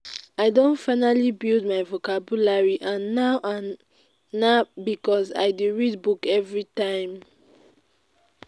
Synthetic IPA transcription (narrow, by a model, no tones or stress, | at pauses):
aɪdõntfaɪnalibild̚maɪvokabulaɹiʔãnːaʊʔãnː | abikɔza̰ɪduɹid̚bukɛvɹitãɪ̃m